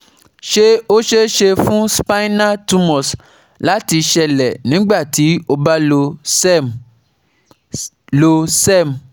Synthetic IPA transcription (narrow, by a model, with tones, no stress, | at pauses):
ʃe˦o˦ʃe˦ʃe˧fũ˦spa˦i˦na˦tu˦mɔ˨s | la˨˦ti˧ʃɛ˧lɛ˨nĩ˨˦ɡ͡ba˦˨ti˨˦o˧ba˦lo˧˦ | lo˧sɛ˦˨m˨